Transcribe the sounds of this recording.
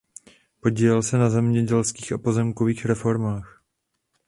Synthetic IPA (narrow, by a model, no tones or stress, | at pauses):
po̞ɟiːlɛlsɛnazɛmɲɛɟɛlskiːxapo̞zɛmkoviːxɾɛfo̞ɾmaːx